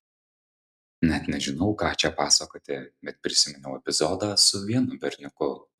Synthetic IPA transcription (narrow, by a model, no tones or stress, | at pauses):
nʲɛt̪nʲɛʒʲɪnɒʊkɑːt͡ʃʲɛpɑːsɐkoːt̪ʲɪbʲɛt̪̚pʲɾʲɪsʲɪmʲɪnʲɛʊɛpʲɪzɔːd̪ɑːsʊʋʲiɛnʊbʲɛɾʲnʲʊkʊ